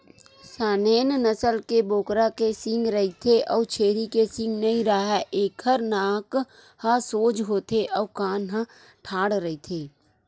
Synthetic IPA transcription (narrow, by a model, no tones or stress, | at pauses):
saːneːnnəsəlkeboːkɾakesɪ̃ŋɡɾəɦit̪ʰeʔɔːt͡ʃʰeːɾikesɪ̃ŋɡnɐɦĩɾaɦɛʔeːkhəɾnaːk | hasoːd͡ʒɦoːt̪ʰeʔɔːkaːnɦã | ʈʰaːɽɾəɦit̪ʰeː